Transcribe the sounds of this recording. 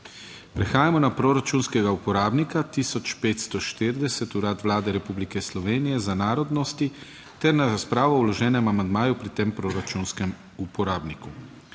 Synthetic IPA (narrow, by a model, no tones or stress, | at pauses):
pɾɛxaːjamɔnapɾoɾat͡ʃunskɛɡaupɔɾaːbnikat̪isɔt͡ʃpeːt̪st̪ɔʃt̪eɾd̪ɛsɛt̪uɾaːt̪ʋlaːd̪ɛɾɛpublikɛslɔʋeːnijɛzanaːɾɔd̪nɔst̪i | t̪ɛɾnaɾaspɾaːʋɔwlɔʒɛːnɛmamand̪maːjupɾit̪eːmpɾoɾat͡ʃunskɛm | upɔɾaːbniku